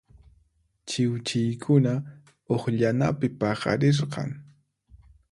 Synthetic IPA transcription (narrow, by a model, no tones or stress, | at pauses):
t͡ʃɪwt͡ʃɪjkʰʊna | oχʎanapɪpɑχɑ̰ɾɪɾqɑ̰ŋ